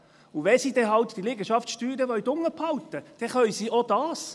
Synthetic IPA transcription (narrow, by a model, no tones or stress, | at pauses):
uʋɛsiːd̥̪ɛɦɑlt̪d̥ilɪɡəʃɑftʃtyːɾəʋœʏt̪ʊŋːəpʰhɑwt̪əd̥ɛχœʏsiːʔod̥ɑːs